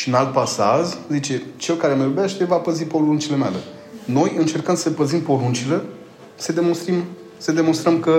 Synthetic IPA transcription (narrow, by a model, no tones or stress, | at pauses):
ʃiɨnalt̪̚pasaʒzit͡ʃe̞t͡ʃe̞lkaɾe̞məjubeʃt̪e̞vapəzipo̞lunt͡ʃilemea̰le | no̞jɨnt͡ʃe̞rkənd̪səpəzimpo̞ɾunt͡ʃile̞ | sed̪emonst̪ɾim | sed̪e̞mo̞nst̪ɾəmkə